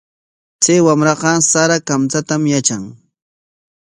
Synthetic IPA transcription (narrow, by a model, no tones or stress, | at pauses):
t͡sajwamɾɑqɑsaɾakamt͡sat̪amjat͡ʃaŋ